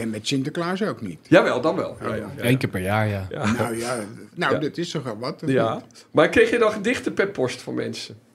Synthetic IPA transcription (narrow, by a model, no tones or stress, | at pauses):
ɛnmɛtsɪntəklaːzowknḭtjaʋɛlˠdɑnʋɛ̰lˠja̰jejnkɪːpɛɹjaːɹjaanwjanowdɪtɪstɔχʋɛlˠʋɑtəjamarkrejxjənɔχəndɪxtəpɛpʰːɔstfɔnmɛ̰nsə